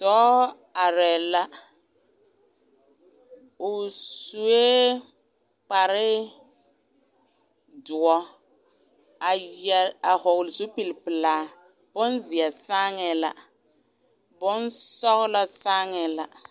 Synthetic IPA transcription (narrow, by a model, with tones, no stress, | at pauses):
tɔː˦ | a˨ɾɛ˨la˦ | ʊ˨su˨e˦ | k͡pa˨ɾɪ˦ | dʊ˨ɔ˦ | a˨jɛ˨a˨hɔ˨ɣlzu˦pi˨lpɨ˨laː˨˦ | b̥ʊ˦nzi˨a˨sa˦ŋɛ˨la̰˨ | bʊ˦nsɔ˦ɣla˦sa˦ŋɛ˨la˨